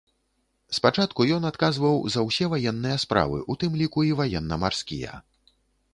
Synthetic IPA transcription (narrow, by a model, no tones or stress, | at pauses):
spat͡ʂat̪kujɔnat̪kazvɐwzɐwsʲɛvajɛnːɨjɐspɾa̰vɨ̰ʔut̪ɨmlʲikuivajɛn̪ːɐmarskʲḭjɐ̰